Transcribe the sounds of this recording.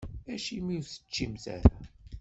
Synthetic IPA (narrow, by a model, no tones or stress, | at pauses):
æʃimiθə̥t͡ʃːimzæ̰ɾ